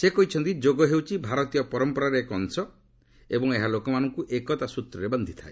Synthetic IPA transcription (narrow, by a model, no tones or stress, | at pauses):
sekɔɦit͡ʃʰɔnt̪id͡ʒoɡɔɦewt͡ʃʰibʱaɾɔt̪ijɔpɔɾɔmpɔɾaɾeekɔnsɔ | ebɔŋeɦalokɔmanɔŋkuʔekɔt̪asut̪ɾɔɾebɔnd̪ʱit̪ʰa̰e